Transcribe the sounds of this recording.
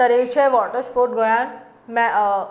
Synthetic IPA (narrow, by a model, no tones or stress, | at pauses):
t̪əɾet͡ɕʰeʋɔʈəɾspoːɾʈ̚ɡʱojãn | mɛ̃